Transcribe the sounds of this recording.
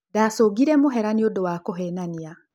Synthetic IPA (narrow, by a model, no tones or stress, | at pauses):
daːsoːɡiɾɛmoɦɛɾaniodowaːkoɦɛnania